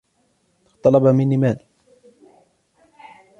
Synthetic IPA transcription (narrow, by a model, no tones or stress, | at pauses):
xt̪ˤɑlɑbamɪnːiːmaːl